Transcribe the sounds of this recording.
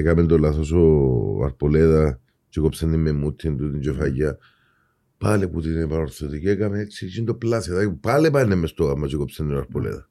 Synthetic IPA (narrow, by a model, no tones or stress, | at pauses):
ekamend̪olasos̬oa̰ɾpoleða | t͡ʃikopsenimemut̪ʰːind̪ut̪int͡ʃofaja | paleput̪inepanoɾsot̪ikekamet͡ʃit͡ʃind̪oplasat̪apalepaenːemːest̪oɣamat͡ʃikopsenːiaɾpolḛða̰